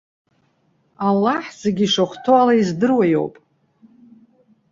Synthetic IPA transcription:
alːaħz̥eɡʲiʂaχʷtʰoalaizdɨrwajo̞̰wpʼ

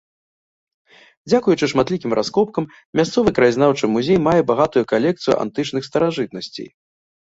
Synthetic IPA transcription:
d͡zʲakujut͡ʂɨʂmat̪lʲikʲimɾʔaskɔp̚kɐmːʲ | ast̪sɔvɨkɾajzʲnawt͡ʂɨmuzʲejmajɛbaɣat̪ujukalʲɛk̚t̪sɨjṵʔa̰nt̪ɨt͡ʂnɨxst̪ɐɾaʐɨt̪̚nɐsʲt͡sʲḛj

